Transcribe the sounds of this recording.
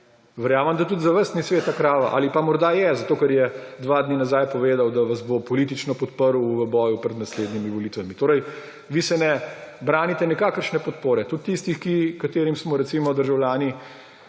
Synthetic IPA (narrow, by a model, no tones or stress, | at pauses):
ʋɛɾjaːməmd̪at̪ud̪zaʋəɾst̪nisʋeːt̪akɾaːʋa̰ʔa̰ːlipamɔɾd̪ajɛzat̪oːkɛɾjɛd̪ʋad̪ninazaːjpɔʋeːd̪awd̪aʋazbopɔlit̪̬it͡ʃnɔpɔt̪pəɾwʋəbɔːjupɾɛd̪nasleːd̪nimiʋɔlit̪ʋamit̪oːɾɛj | ʋisɛnɛbɾaːnit̪ɛnɛkaːkəɾʃnɛpɔt̪poːɾɛt̪ut̪ːist̪ixkikat̪eːɾimsmɔɾɛt̪simɔd̪əɾʒawljaːni